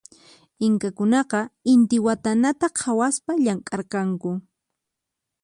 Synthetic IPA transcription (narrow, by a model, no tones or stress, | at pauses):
ɪŋkakʊnɑqɑɪnt̪ɪwat̪anat̪aqʰawaspaʎaŋkʼɑɾqɑŋkʊ